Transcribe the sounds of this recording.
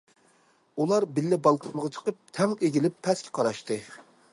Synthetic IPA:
ulˠɑɾbɪlːɪbɑlˠt̪ʰɨməʁɑt͡ʃʰə̥qəp̚t̪ʰɛŋeɡʲilɪpʰːɛskʲʰɛ̥qʰɑɾɑʃt̪ɨ

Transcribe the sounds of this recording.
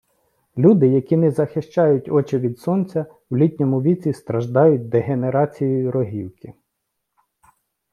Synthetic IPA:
lʲud̪ɪjɐkʲinɛzɐxɪʃt͡ʃɑjʊtʲɔt͡ʃɪʋʲid̪sɔnt͡sʲɐ | wlʲit̪ʲnʲɔmʊʋʲit͡sʲist̪ɾɐʒd̪ɑjʊt̚ʲd̪eɦeneɾɑt͡sʲijijɾɔɦiwkɪ

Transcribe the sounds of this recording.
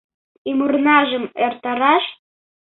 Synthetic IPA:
imurnɑʒəmert̪ɑɾɑʃ

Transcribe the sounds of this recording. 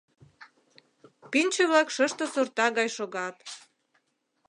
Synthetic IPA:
pinʲt͡ɕeβlɑkʃəʃt̪ŏsort̪ɑɣɑjʃoɣɑt̪

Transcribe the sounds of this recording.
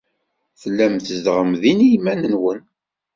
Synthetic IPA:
θəlːæmθəzd̪ʁəmðinijmænənwən

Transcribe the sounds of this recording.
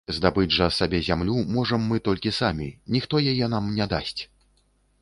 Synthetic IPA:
zd̪abɨd͡zʲʐɐsabʲɛzʲamlʲumɔʐɐmːɨt̪ɔlʲkʲisamʲinʲixt̪ɔjajɛnamnʲɛd̪asʲt͡sʲ

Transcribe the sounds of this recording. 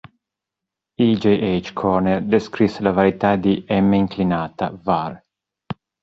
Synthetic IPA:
id͡ʒeʔejt͡ʃkʰɔrnerd̪eskɾisːelavaɾit̪ad̪iɛmːeiŋklinaːt̪a̰var

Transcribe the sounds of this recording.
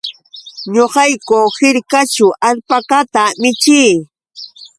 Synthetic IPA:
ɲoqɑjkohɪɾkat͡ʃʊʔaʎpakat̪amɪt͡ʃiː

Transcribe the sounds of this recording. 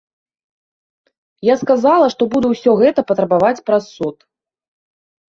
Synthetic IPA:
jaskazalˠɐʂt̪ɔbud̪ɛwsʲɔɣɛt̪ɐpɐt̪ɾɐbavat͡sʲpɾasːut̪

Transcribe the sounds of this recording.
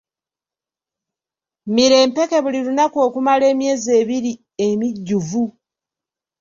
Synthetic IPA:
miɾe̞ːmpe̞ke̞βuliɾunako̞ːkumale̞ːmje̞ːze̞ːβiɾi | emiɟːuvu

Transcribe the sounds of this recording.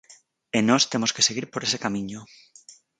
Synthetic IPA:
enost̪emoskeseɣiɾpoɾesekamĩɲo

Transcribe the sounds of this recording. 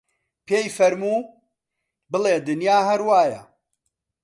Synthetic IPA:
pʰeːjfɐɾmuː | bɨleːd̪ɨnjaːɦɐɾwaːjɐ̰

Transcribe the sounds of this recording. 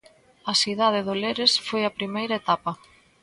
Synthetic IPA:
ɐsiðað̞ɪðoleɾesfojɐpɾimejɾɐet̪apɐ

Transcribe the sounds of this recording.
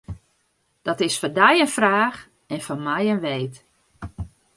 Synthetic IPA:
d̥ɔtɪsfɔndɛjənfraːx | ɛnfɔnmɛjənʋeːt

